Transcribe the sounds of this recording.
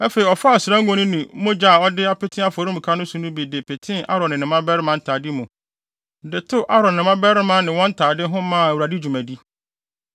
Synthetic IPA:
æ˦fe˨i˨ɔ˨fa˦a˨sɾã˦ŋ̩˦ɡõ˦nɪ̃˦nĩ˨˦mʊ̃˦d͡ʑa˦˨ɔ˦dɪ˦a˦pɪ˦tʰɪ̃˦a˨fo˨ɾi˦mũ˨kʰa˦nʊ̃˦sũ˨nũ˦bi˨dɪ˨pʰɪ˨tʰɪ̃˦a̰˦ɾɔ̃˨nɪ̃˨nɪ̃˨mã˦bɛ˦ɾɪ˦mã˦n̩˦tʰaː˨di˦mũ˨ | dɪ˨tʰʊ˦ʔa˦ɾɔ̃˨n˨nɪ̃˨mã˦bɛ˦ɾɪ˦mã˦nɪ̃˨wɔ̃˦n̩˦tʰaː˨dɪ˦ɦʊ̃˦mãː˦˨æ˨wu˨ɾa˨di˦d͡ʑᶣu˨mæ̃˨di˦

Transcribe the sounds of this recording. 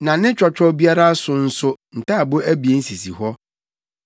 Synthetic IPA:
nã˨nɪ̃˦t͡ɕᶣɔ˨t͡ɕᶣɾɔ˦bi˦a˦ɾa˦sʊ˨n̩˦sʊ˦n̩˨tʰa˦˨bʊ˦æ˦bi˨e˨n̩˦si˨si˨ɦɔ˦

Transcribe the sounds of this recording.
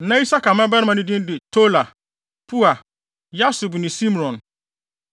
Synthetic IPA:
nã˦i˦sa˦ka˨mã˦ba˦ɾmã˨nɪ̃˦dɪ̃˦n˦dɪ˨tʰo˦la˨ | pʰu˦a˨ | ja˦su˨bnɪ̃˨sĩ˦m˨ɔ̃˨n

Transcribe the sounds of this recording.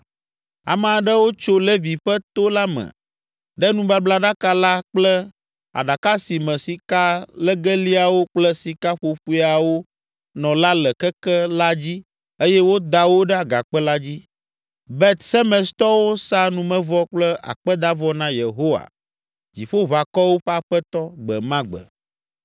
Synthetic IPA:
a̰˨m̃˨a˨ɖə˦wo˦t͡ʃo˦lɛ˦vi˨ɸə˦t̪o˦la˦mɛ̰̃˨ | ɖɛ˦nũ˦ba˦bla˦ɖa˦ka˦la˦k͡plɛ˦ | a̰˨ɖa˨ka˦si˨mɛ̃˨si˨ka˦lə˦ɡɛ˦li˦a˨wo˦k͡plə˦si˨ka˦ɸo˨ɸu˦a˨wo˦ | nɔ̃˨la˦lə˨kɛ˦kɛ˦la˦d͡ʑi˦ | e˦jɛ˦wo˦d̪a˨wo˦ɖɛ˦a˨ɡa˨k͡pɛ˦la˦d͡ʑi˦ | bɛ˦t̪sɛ˦mɛ̃˨st̪ɔ˦wo˦sa˦nũ˨mɛ̃˦vɔ˦k͡plɛ˦ʔa̰˨k͡pɛ˦d̪a˦vɔ˦nã˦je˨ɦo˦wa̰˨ | d͡ʑi˨ɸo˦βa˨kɔ˦wo˦ɸɛ˦a˦ɸɛ˦t̪ɔ˦ɡ͡bɛ˨mã˦ɡ͡bə̰˨

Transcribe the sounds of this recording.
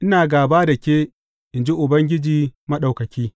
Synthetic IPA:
ʔɪ˦naː˨ɡaː˨baː˦dɐ˨kʲeː˦ | ʔɪ˨nd͡ʒi˦ʔʊ˨bɐ˦ŋɡʲɪ˦d͡ʒiː˨mɐ˦ɗa˨wkɐ˨kʲiː˦

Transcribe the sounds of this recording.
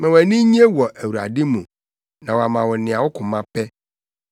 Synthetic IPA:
mã˨wæ˨nĩ˦ɲi˦e˦wɔ˨ʔæ˨wu˨ɾa̰˨dɪ˦mũ˨ | nã˨wɔ˨a˨mã˨wɔ˨nɪ̃˨a˨wʊ˦kʰʊ̃˨mã˦pɛ˦

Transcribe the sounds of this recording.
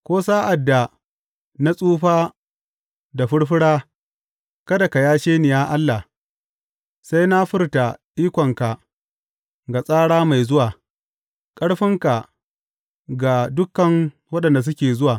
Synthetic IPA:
kʷoː˦saː˦ʔa˨dːa˨ | na˦sʼuː˦ɸaː˦ | da˨ɸɪ˦ɽɸɪ˦ɽaː˦ | kɐ˦da˨ka˨jaː˦ʃeː˦nɪ˨jaː˦ʔa˦lːa˨ | sa˦jna˦ɸɪ˦rta˨ɗiː˦kʷɔ˨ŋka˨ | ɡa˨sʼaː˦ɽaː˦ma˨jzʊ˦waː˨ | kʼɐ˦ɽɸɪ˦ŋka˨ | ɡa˨dʊ˦kːɐ˨ŋ | wɐ˦ɗɐ˨nda˨s̬ʊ˦kʲeː˨zʊ˦waː˨

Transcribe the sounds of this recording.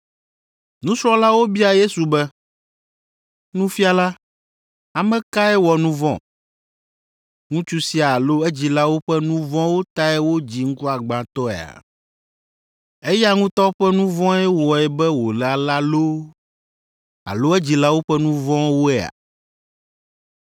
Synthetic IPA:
nũ˦sɾɔ̃˦la˦wo˦bi˦a˨je˦su˨bɛ˦ | nũ˦fi˦a˨la˦ | a˨mɛ̃˦ka˦ɛ˦wɔ˨nũ˦vɔ̰̃˨ | ŋũ˦t͡ʃu˦si˦a˨lo˦ɛ˦d͡ʑi˨la˦wo˦ɸɛ˦nũ˦vɔ̃˦wo˦t̪a˦ɛ˦wo˦d͡ʑi˨ŋ̩˦ku˦a˨ɡ͡ba˨t̪ɔ˦ɛ̰˨a̰˨ | e˦ja˦ŋũ˦t̪ɔ˦ɸɛ˦nũ˦vɔ̃˦ɛ˦wɔ˨ɛ˨bɛ˦wo˨la˨la˦lo˦ | a̰˨lo˦ɛ˦d͡ʑi˨la˦wo˦ɸɛ˦nũ˦vɔ̃˦wo˦ɛ˨a̰˨

